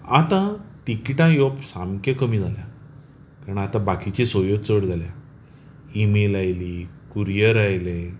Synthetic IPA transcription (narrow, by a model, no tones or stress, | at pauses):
at̪ãt̪ikʈãjopsamkekəmiːd͡zʱaljã | kaɾɳat̪ãbakit͡ɕesojoɡt͡səɽd͡zʱalja | imelajliː | kuɾijəɾajle